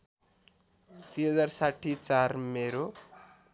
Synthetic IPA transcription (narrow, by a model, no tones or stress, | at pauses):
t̪wiɦʌd͡zarsaʈʰːit͡sarmeɾo